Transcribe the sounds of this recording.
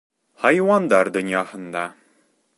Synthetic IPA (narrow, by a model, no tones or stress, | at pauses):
ħajwand̪ard̪ɨnijaːħənd̪aː